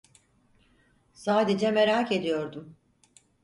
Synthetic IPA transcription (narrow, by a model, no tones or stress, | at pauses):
saːd̪ed͡ʒɛmeɾaːke̞d̪ijo̞ɾd̪um